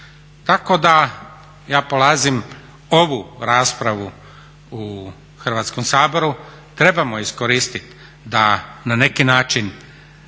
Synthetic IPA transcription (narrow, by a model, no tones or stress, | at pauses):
t̪ako̞d̪a | jaːpolaːzim | o̞ʋuɾaːspɾaʋu | u | xr̩ʋaːt̪skomsaːbo̞ɾu | t̪ɾe̞bamoiskoɾiːst̪it̪ | d̪anane̞kinaːt͡ʃin